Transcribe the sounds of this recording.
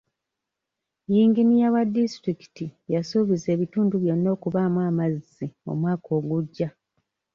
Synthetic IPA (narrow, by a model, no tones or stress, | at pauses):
jiːŋɡinijaβadːistɾiki̥tijasuːβize̞ːβituːnduβjo̞nːo̞ːkuβamwaːmazːio̰mwaːko̞ːɡuɟːa